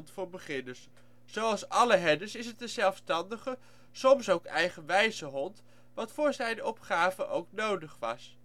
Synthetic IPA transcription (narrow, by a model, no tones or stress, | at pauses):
ntfʊːɹbəχɪnəs | zowɑlˠsɑləɦɛdəsɪsətəzɛlˠfstɑndəχə | sɔmsowkɛjχənʋɛjzəɦɔnt | ʋɑtfʊːɹzɛjnɔ̰pχaːvəʔowknowdəχʋɑ̰s